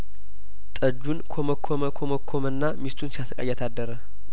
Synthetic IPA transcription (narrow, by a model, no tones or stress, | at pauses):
t̪ʼəd͡ʒːunkʰoməkʰːoməkʰoməkʰːomɨnːamist̪ʰunsiasəkʼa̰jat̪ʰad̪ːəɾə